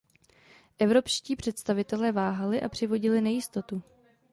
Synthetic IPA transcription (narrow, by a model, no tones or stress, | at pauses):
ʔɛvɾo̞pʃciːpr̝̥ɛt̪st̪avɪt̪ɛlɛːvaːɦalɪʔa̰pr̝̥ɪvo̞ɟɪlɪnɛjɪst̪o̞t̪u